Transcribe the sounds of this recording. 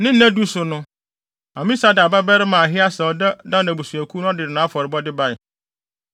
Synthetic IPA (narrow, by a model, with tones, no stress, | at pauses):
nɪ̃˦n̩˦æ̃˦du˦sʊ˨nʊ̃˦ | a˨mĩ˦sa˦da˨ba˦bɛ˦ɾɪ˦mãː˨ɦɪ˦a˦sɛ˨ɔ˨da˦dã˦˨nã˨bu˨su˨æ˨kʰu˦nʊ̃˦dɪ˨ɪ˨nã˨˦fɔ˨ɾɪ˨bɔ˦dɪ˦ba˦ɪ˨